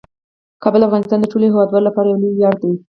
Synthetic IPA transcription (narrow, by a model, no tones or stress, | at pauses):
kɑbəlafɣɑnɪst̪ɑnd̪əʈoleɦewɑd̪wɑɾolapɑɾajawluɾjɑɾ̚d̪e